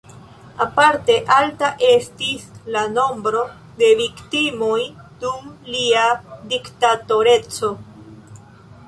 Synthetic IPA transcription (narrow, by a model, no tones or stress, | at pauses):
apaɾte̞ʔaltaʔe̞stislano̞mbɾo̞ | de̞viktimoj | d̥umliadiktato̞ɾe̞t͡so̞